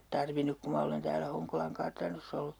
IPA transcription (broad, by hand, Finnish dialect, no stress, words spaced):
tɑrʋinuk ku mɑ olen tæːlæ hoŋkolɑŋ kɑrtɑnosː olːu